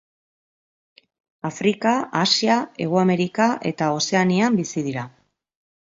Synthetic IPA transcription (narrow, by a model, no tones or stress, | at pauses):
afɾikaasiae̞ɣ̞uame̞ɾikaʔe̞̰t̪ao̞se̞aniambisiðiɾa